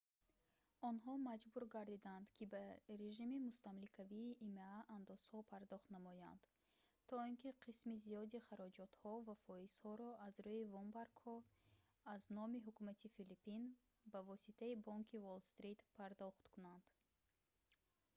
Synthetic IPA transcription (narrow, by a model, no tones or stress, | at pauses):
ɔnɦɔmad͡ʒbuɾɡaɾd̪id̪and̪kʰibaɾe̞ʒimimust̪amlikʰaviːʔːmaaʔand̪ɔz̥hɔpʰaɾd̪ɔχt̪namɔja̰nd̪̥ | t̪ʰɔinkiqʰismizijɔd̪iχaɾɔd͡ʒɔt̪hɔvafɔiz̥hɔɾɔʔazɾuivɔmbaɾɡhɔ | aznɔmiɦukumat̪ʰifilipin | bavɔsit̪ʰaibɔŋkʰivolst̪ɾit̪pʰaɾd̪ɔχt̪kʰunand̪̥